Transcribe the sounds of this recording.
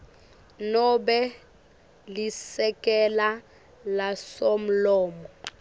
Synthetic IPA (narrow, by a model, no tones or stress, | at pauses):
nɔbɛ | lisɛkʼɛla | lasom̩lɔːmɔ